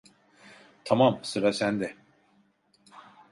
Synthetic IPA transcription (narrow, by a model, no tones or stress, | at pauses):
t̪ʰamamsɯɾasænd̪ɛ